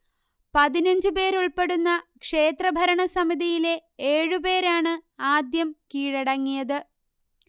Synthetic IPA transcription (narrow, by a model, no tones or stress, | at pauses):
pɐðinɐɲd͡ʑɨpe̞ːɾuɭpe̞ɽunːɐkʂe̞ːt̪rɐbʱɐɾɐɳɐsɐmiðijile̞eːɻupe̞ːɾaːɳɨaːd̪jɐmkiːɻɐɽɐŋːijɐðɨ